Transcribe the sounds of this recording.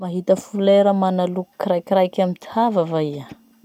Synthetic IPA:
maɦit̪əfuleɾəmanaluku̥kiɾajkʲiɾajkʲamit̪ihavavaia

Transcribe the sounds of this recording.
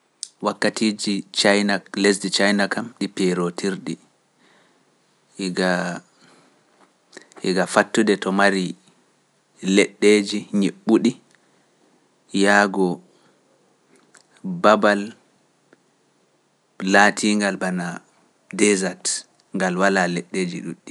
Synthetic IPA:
wakːatiːd͡ʒit͡ʃajnalesdit͡ʃajnakamɗipɛɾotiɾɗi | ɡa | ɛ̰ɡafatːudɛtɔmaɾi | lɛɗːeːd͡ʒiɲeɓːuɗi | jaɡɔ | babal | latʰiŋɡalbana | dɛzat | ŋɡalwalalɛɗːed͡ʒḭɗuɗːi

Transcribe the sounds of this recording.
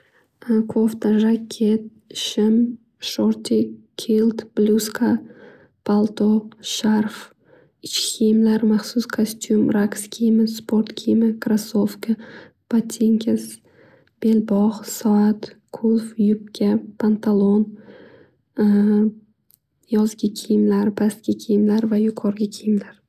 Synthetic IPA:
kʰoft̪aʒakʲʰːet̪̚ | ʃɪm | ʃoɾt̪ʲʰikʲʰilˠt̪b̥lʲuskʰa | pʰalˠt̪oʃarf | ɪt͡ʃkʲkʰʲejmlaɾmaχsuskʰosʲt̪ʲumrakskʲʰijmɪspʰo̞rt̪kʲʰijmɪkʰɾasofka | b̥at̪ʲʰːeŋkʲʰɪs | b̥e̞lbɒχsaat̪kʰolˠfjʊp̚kʲʰapʰant̪ʰalˠon | jɒzɡʲɪkʲʰejɪmlaɾbʰast̪kʲɪkʲʰejɪmlaɾvajʊqʰɒɾɡʲɪkʲʰejɪmlaɾ

